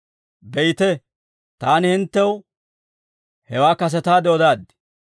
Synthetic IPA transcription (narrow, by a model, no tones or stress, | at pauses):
bɛjt̪ɛ | t̪aːnɪhɪnt̪ːɛw | hɛwaːkɐs̬ɛt̪aːd̪oːd̪aːd̪ɪ̥